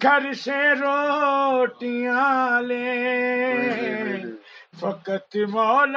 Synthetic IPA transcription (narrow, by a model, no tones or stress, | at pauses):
ɡʱɐɾɪsẽɾoː | ʈijãːle | fɐkɐt̪ɪmal